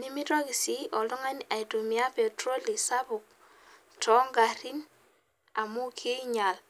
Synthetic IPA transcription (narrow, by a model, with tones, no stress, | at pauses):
ni˦mi˦twa˦ki˨si˦ʔɔ˨lɔ˦ŋa˦n˦a˨jto˨mi˦a˦pe˨tɾo˦li˨sa˦bʊ˨k̚ | tʰɔ˨˦ŋɡa˨ɾi˦n | a˨mu˦kʰe˦ɲa˨l